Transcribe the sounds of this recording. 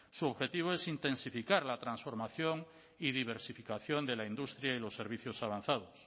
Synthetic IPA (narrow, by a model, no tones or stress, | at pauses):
suoβxe̞t̪iβ̞oe̞sint̪e̞nsifikaɾlat̪ɾansfo̞ɾmaθjoŋ | iðiβ̞e̞ɾsifikaθjond̪elaind̪ust̪ɾjailo̞sːe̞ɾβ̞iθjosaβ̞an̟θað̞os